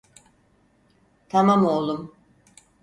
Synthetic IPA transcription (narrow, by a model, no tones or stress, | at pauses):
t̪ʰamamolˠum